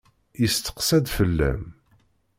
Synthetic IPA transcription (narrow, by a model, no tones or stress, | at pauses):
jəst̪ə̥qsæd̪fəlːæ̰m